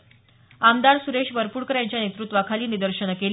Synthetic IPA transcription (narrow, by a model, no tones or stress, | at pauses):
amd̪aɾsuɾeɕbəɾpuːɾkəɾjaɲt͡ɕjanet̪ɾut̪ːʋakʰaliːnid̪əɾɕəɳkel